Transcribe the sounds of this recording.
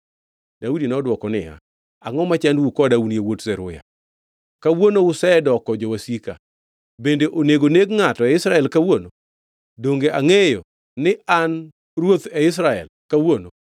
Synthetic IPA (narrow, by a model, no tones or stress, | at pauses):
daudinɔːdwɔkɔnɪja̰ | aŋɔmat͡ʃandwukɔdawuniewotzɛɾʊ̰ja̰ | kawonoʊsɛɛdɔkɔd͡ʒɔwasika̰ | bendeʔoneɡoneɡŋatɔɛɪsɾaɛlkawono | doŋɡeʔaŋejɔ̰ | nɪan | rwot̪ɛɪs̬ɾaɛ̰lkawono